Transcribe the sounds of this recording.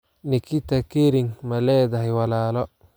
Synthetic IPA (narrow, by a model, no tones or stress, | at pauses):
nikʰit̪ɐkeɾɪŋmɐlɛːd̪ɐɦɛwɐlaːlɔ